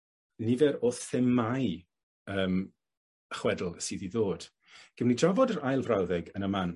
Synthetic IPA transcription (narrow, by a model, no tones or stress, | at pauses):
nivɛɾoːθɪmːaj | əːm | əχwɛdlˠsiːðiðoːd̥ | ɡ̥əmnidravɔdəɾajlˠvrawðɛɡənəman